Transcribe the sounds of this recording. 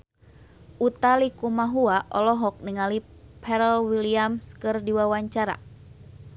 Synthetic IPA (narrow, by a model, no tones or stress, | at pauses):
ʔut̪alikumaɦuaʔɔlɔɦɔk̚niŋali | pʰɛɾɛlwiliamskɨrdiwawaɲt͡ʃaɾa̰